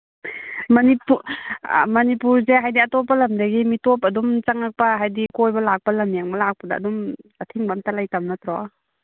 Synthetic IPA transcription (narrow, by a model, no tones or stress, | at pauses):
mɐnipu | mɐnipuɾzeɦajdiɐtɔp̬ːɐlɐmdaɡimitɔp̬ɐdumt͡ʃaŋak̚paɦajdikojbɐlak̚palɐmnijaŋbɐlak̚pɐdɐ̰ːdumatʰiŋbamtalajtamnatɾɔ